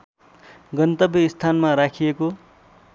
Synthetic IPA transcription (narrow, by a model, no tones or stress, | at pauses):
ɡʌnt̪ʌbʌist̪ʰanmaɾakʰijeko